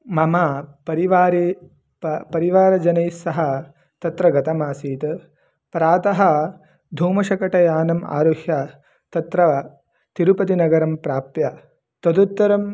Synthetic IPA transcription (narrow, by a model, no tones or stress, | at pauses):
mɐmapɐɾiʋaːɾi | pɐɾiʋaːɾɐd͡ʒɐnɐjsɐɦɐ | t̪ɐt̪ɾɐɡɐt̪ɐmaːsiːt̪ | pɾaːt̪ɐɦɐ | d̪ʱuːmɐʃɐkɐʈɐjaːnɐma̰ːɾohjɐ | t̪ɐt̪ɾɐ | t̪iɾupɐt̪inɐɡɐɾɐmpɾaːpjɐ | t̪ɐd̪ut̪ːɐɾɐm